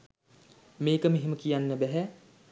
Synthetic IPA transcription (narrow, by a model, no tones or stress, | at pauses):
meːkəmeɦeməkijanːəbɛɦɛ